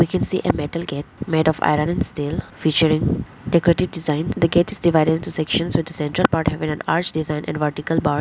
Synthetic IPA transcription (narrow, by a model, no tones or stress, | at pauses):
ʋiːkɛ̃nsḭːʔemɛʈəlɡeːʈ̚meːɖɔʋa̰ɪɾãnɛ̃nsʈeːlfiːt͡ʃəɾɪ̃ŋ | ɖekɔɾeʈɪʋɖɪzãɪ̃nd̪əɡeːʈɪzɖɪʋaɪɖeɖɪ̃nʈusɛkʃə̃nsʋɪd̪əsɛ̃ɳʈɾəlpaːɾʈhɛʋɪ̃ŋæ̃na̰ːɾt͡ʃɖɪzãɪ̃nʔɛ̰̃nʋəɾʈɪkəlbaːɾ